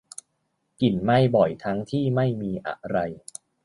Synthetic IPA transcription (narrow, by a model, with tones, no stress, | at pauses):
ki˨˩nma˥˩jbɔ˨˩jt̪ʰa˦˥ŋt̪ʰiː˥˩ma˥˩jmiː˧ʔa̰˧˩ɾa˧j